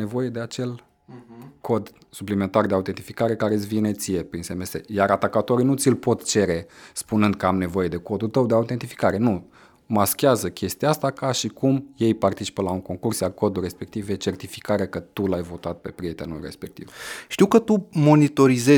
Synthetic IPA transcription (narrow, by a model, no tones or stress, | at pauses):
ne̞vo̞je̞d̪eat͡ʃe̞l | kʰo̞d̪ | suplime̞nt̪ard̪eaut̪e̞nt̪ifikaɾe̞kaɾesʲvinet̪sijepɾinsemest̪ḛjaɾat̪akat̪oɾinut̪sʲilpo̞t̪t͡ʃe̞ɾe̞spunɨnd̪̚kəamne̞vo̞je̞d̪e̞ko̞d̪ult̪əwd̪eaut̪ent̪ifi̥kaɾe̞nu | maskʲeazəkʲe̞st̪iaast̪akaʃikumje̞jpart̪it͡ʃi̥pəlauŋko̞ŋkursjarko̞d̪ulrːe̞spe̞k̚t̪ivjet͡ʃe̞rt̪ifi̥kaɾekət̪ulajvo̞t̪at̪̚pe̞pɾie̞t̪e̞nulre̞̰spe̞k̚t̪ḭvʃt̪iwkət̪umo̞nit̪o̞ɾize